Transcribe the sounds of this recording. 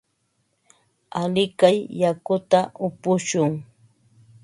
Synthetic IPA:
alɪkajːakʊt̪aʊpʊʃʊŋ

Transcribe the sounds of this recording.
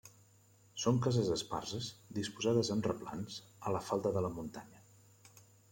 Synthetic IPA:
soŋkazəzəspa̰rzəzd̪ispuzaðəzənrəpla̰nzələfalˠt̪əðələmunt̪aɲə

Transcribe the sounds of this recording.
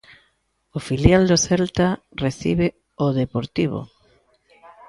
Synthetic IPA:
ofiljald̪oθɛlt̪areθḭβ̞e | oðepoɾt̪iβo̰

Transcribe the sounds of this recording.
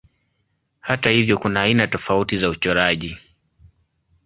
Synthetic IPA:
hatahivjɔkunaːinatɔfautizaut͡ʃɔɾaʄi

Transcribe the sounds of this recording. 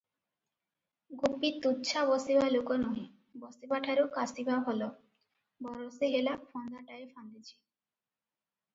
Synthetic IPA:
ɡupːit̪utːɕʰaβɔsibalokonɔi | bɔsipaʈʰaɾukasibʱabɦɔlo | bɔɾoseɦelafɔnd̪ʱaʈaefand̪it͡ɕʰi̥

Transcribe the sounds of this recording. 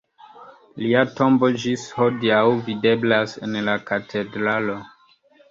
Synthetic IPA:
liato̞mbo̞d͡ʒishodiawvide̞blase̞̰nlakatʰe̞dɾalo̞

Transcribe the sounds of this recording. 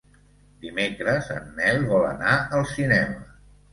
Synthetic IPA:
d̪imekɾəzə̰nːɛlβɔlə̰naəlˠsinɛmə

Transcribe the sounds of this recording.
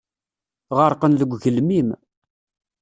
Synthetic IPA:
ʁəɾˤqənðəɡʷʝəlmim

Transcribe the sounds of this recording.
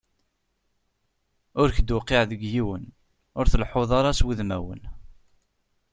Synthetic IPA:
ʊɾçd̪ʊqːeʕðəɡjiwən | ʊɾθəlħoðˤɑɾˤɑswiðmæwə̰n

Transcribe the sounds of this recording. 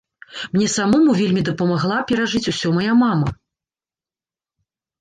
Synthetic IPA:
mnʲɛsamɔmuvʲelʲmʲid̪ɐpɐmaɣlˠapʲɛɾaʐɨt͡sʲusʲɔmajamamɐ

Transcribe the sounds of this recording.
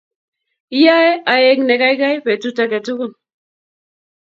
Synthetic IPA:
iaeʔajekneɣajɣajβet͡sut͡saket͡suɣun

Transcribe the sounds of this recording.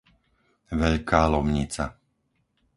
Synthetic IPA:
ʋɛʎkaːlɔmɲit͡sa

